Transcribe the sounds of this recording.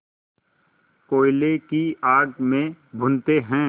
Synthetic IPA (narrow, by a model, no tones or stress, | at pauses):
koːɪlekiaːɡmẽbʱʊ̃nt̪eɦɛ̃ː